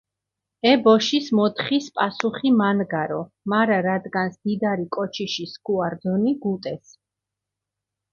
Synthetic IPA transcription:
ɛbɔʃismɔt̪χispʼasuχimanɡaɾɔ | maɾaɾad̪ɡansd̪̥id̪aɾikʼɔt͡ʃʰiʃiskʰʼuaɾd̪ɔniɡut̪ʼɛs

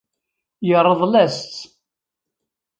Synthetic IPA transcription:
jəɾˤːəðˤlæst̪

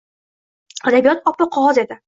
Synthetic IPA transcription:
ad̪abijɒt̪ɒpːɨqʰɒʁɒze̞d̪ɪ

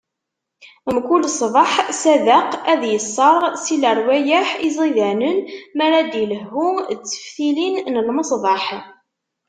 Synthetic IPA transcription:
əmkulsˤvˤɑħsæðəqæðjəsˤːɑɾˤsiləɾˤwæjæħizˤiðænənmæɾæd̪iləɦːut͡sːə̥fθilinnəlməsˤðˤɑħ

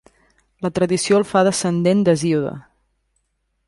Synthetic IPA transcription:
lət̪ɾəðisiolˠfaðəsənd̪end̪əziuðə̰

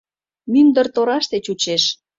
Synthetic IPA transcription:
mynd̪ərt̪oɾɑʃt̪et͡ɕut͡ɕeʃ

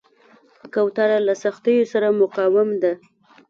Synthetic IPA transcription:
kawt̪aɾalasaxt̪əjosaɾamʊqɑwɪmd̪a

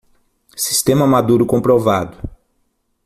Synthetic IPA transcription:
si̥st̪ẽmɐmad̪uɾʊkõpɾovad̪ʊ

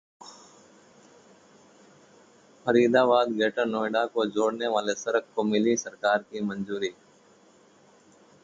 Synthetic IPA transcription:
pʰəɾiːd̪aːʋaːd̪ɡeːʈəɾnoːɪɖakod͡ʒoːɽneʋaːlesəɾəkkomɪlisəɾkaːɾkimənzuːɾiː

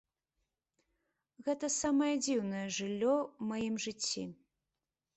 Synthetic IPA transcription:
ɣɛt̪ɐsamɐjɐd͡zʲiwnɐjɐʐɨlʲːɔmajimʐɨt͡sʲːḭ

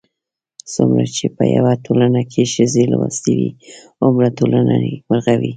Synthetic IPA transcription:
sumɾat͡ʃepəja̰watʰolanakʰeʃəzelwast̪ewi | ʊmɾatolananebaɾɣawi

